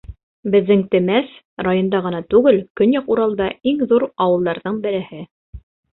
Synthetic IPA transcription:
bɘ̆ðːɘŋt̪ɘ̆mæs | ɾajond̪ɑʁɤ̆nɑt̪ʉɡɘlkɵnjɑquɾɑlˠd̪ɑiŋðuɾɑwɤ̆lˠd̪ɑɾðɤɴbɘ̆ɾɘ̆hɘ

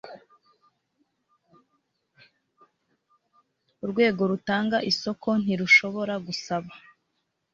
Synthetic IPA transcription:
uɾɡwe̞ːɡo̞ɾutaːŋɡaʔiso̞kʰo̞n̥iɾuʃo̞βo̞ɾaɡusaβa

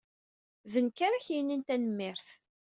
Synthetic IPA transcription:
ðənkaɾaçjinːint̪ænəmːɪɾθ

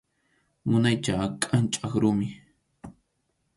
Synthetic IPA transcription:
mʊnajt͡ʃakʼant͡ʃʼakɾʊmɪ

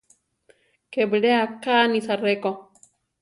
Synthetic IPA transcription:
kebɺeakanisareko

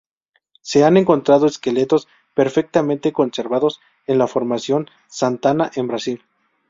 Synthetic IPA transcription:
se̞ane̞ŋko̞nt̪ɾað̞oeske̞le̞t̪o̞s | pe̞ɾfe̞k̚t̪amẽnt̪e̞ko̞nse̞ɾβaðo̞s | e̞nlafo̞ɾmasjo̞n | sant̪anaʔembɾasil

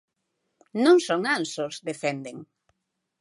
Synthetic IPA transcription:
nõŋsoŋansosðefɛnd̪eŋ

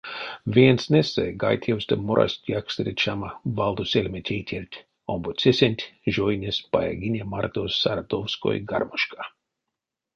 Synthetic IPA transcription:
vʲiɛnsnʲesajɡa̰jt̪ʲʰɛwst̪amoɾʔa̰sʲt̪ʲjaksʲt̪ɾit͡ʃamavalˠd̪usʲelʲmʲet̪ʲʰeːt̪ʰʲert̪ʲ | ɔmbut̪sʲesʲenʲt̪ʲʒɔjnʲespaja̰ɡʲinʲemart̪osaɾad̪owsko̰jɡaɾmuʃka

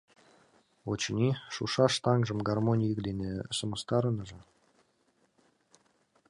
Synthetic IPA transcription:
ot͡ɕnʲiʃṵʃɑʃt̪ɑŋʒə̆mɡɑrmonʲijəkd̪enesə̆məst̪ɑɾənəʒɤ̆

